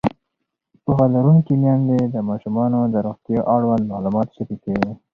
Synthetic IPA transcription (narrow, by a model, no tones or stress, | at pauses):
puxɑlaɾuŋkimjɑnd̪ed̪əmɑʃumɑnod̪əɾoxt̪jɑʔaɽwand̪mɑlumɑt̪ʃapikawi